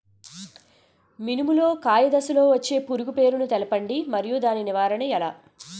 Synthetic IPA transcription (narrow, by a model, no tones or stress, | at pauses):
minimulo̞ːkaːjɐd̪ɐsulo̞ːʋɐt͡ʃːe̞ːpuɾuɡupe̞ːɾunut̪ɛlɐpɐɳɖimɐɾijud̪aːniniʋaːɾɐɳɐɛlaː